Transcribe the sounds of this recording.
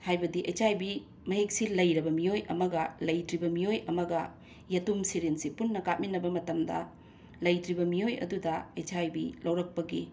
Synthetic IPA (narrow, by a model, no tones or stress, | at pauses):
hajbɐdiʔet͡ʃajbi | mɐɦek̚silɐjɾɐbɐmijojɐ̰mɐɡɐlɐjtɾibɐmijojɐmɐɡɐ | jɐtumsiɾensipunːɐkat̚minːɐbɐmɐtɐmdɐ̰ | lɐjtɾibɐmijojɐ̰dudɐet͡ʃajbilɐwɾɐk̚pɐɡi